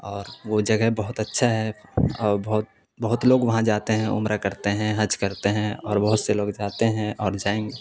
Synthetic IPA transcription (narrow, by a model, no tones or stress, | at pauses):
ɔːɾʋod͡ʒɐɡɛɦbɐɦʊt̪ɐtːʃʰaɦɛɔːɾbɐɦʊt̪ | bɐɦʊt̪loːɡʋɐɦãd͡ʒaːt̪eɦɛ̃ʊ̰mɾakɐɾt̪eɦɛ̃ɦɐd͡ʒkɐɾt̪eɦɛ̃ɔːɾbɐɦʊt̪seloːɡd͡ʒaːt̪eɦɛ̃ʔɔːɾd͡ʒaːẽːŋɡeː